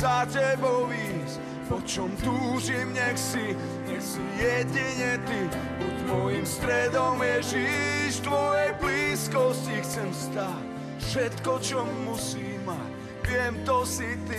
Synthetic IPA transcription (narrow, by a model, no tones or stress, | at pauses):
zacɛbɔʋiːs | pɔt͡ʃɔmt̪uːʒimɲɛxsi | ɲɛxsijɛɟiɲɛt̪i | pɔt̪ʋɔjimst̪ɾɛd̪ɔmjɛʒiʃt̪ʋɔjɛjbliːskɔscixt͡sɛmst̪ac | ffʃɛt̪kɔt͡ʃɔmːusiːmːac | ʋɪɛmt̪ɔsit̪i